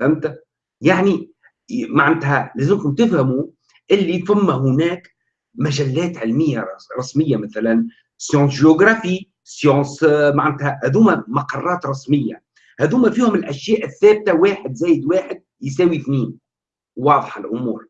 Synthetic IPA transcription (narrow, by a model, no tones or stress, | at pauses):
fæmt̪æ | jaʕni | maʕnɪt̪hælæːzɪmkʊmt̪ɪfhæmu | ʔɪlːifʊmːæɦʊnæːk | mæʒælːæːt̪ʕɪlmɪjːaɾˤɑsmɪjːamæθælæn | sjɑ̃ːsʒeoɡɾˤɑfiː | sjɑ̃ːsmaʕnɪt̪hæhæðuːmæmɑqɑrˤːɑːt̪ɾˤɑsmɪjːa̰ | hæðuːmæfiːhʊmɪlʔæʃjæːʔɪθːæːb̚t̪awaːħɪd̪zæːjɪd̪waːħɪd̪̚ | js̬æːwiθniːn | wɑːðˤħɑlʔʊmṵːɾ